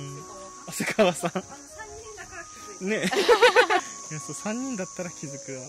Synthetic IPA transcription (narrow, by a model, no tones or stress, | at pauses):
ɯ̃ | asɨkʰaβasãŋ | ne | jasoːsãɲ̟ːĩnd̪at̪ːaɾakʲizɨkɯ